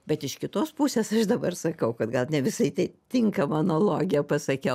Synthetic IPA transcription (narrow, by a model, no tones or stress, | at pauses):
bʲɛt̪ɪʃkʲɪt̪oːspusʲeːsɐʃd̪ɐbɐrsɐkɐʊkɐd̪ɡɐlˠnʲɛʋʲɪsɐɪt̪ɐɪt̪ʲɪŋkɐmɐɐnɐlˠoːɡʲɪjɛpɐsɐkʲɛʊ